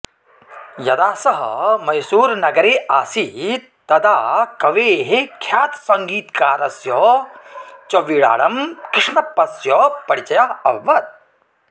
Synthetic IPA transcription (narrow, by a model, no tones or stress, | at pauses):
jɐd̪aːsɐɦɐ̰mɐjsuːɾnɐɡɐɾeːʔaːsi | t̪ɐd̪aːkɐʋeːɦekʰjaːt̪sɐŋɡiːt̪kaːɾɐsjɔː | t͡ʃɐʋiːɽa̰ːɽɐmkɾɪʂɳɐpːɐsjɔːpɐɽit͡ʃɐjaɐʋːɐt̪̚